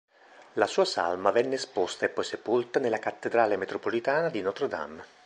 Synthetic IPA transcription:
lasuːasa̰lmavɛnːespost̪aepːɔjsepult̪anelːakat̪ːed̪ɾaːlemet̪ɾopolit̪aːnad̪inɔt̪ɾd̪a̰mː

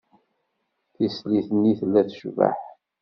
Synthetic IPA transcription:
θisliθənːiθlːæθʃvə̰ħ

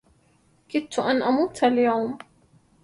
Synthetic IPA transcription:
kɪt̪ʊʔanʔamuːt̪aljawm

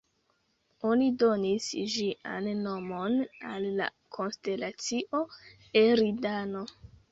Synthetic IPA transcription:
o̞nido̞nisʒiʔa̰nːo̞mo̞nalːa̰ | kʰo̞nste̞lat͡siʔo̞ | eɾidano

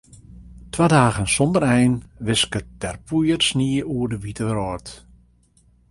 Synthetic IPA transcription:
twadaːɣənsɔndəɾɛjnʋɪskəttɛrpʰujərsniəuərdəʋitərɔːrt

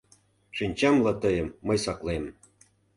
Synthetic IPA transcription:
ʂinʲt͡ɕɑmlˠɑt̪ɤ̆jɤ̆mːɤ̆jsɑklˠem

